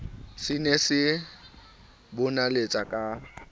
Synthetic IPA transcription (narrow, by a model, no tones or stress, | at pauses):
sɪnesɪ | bʊnalet͡sʼakʼa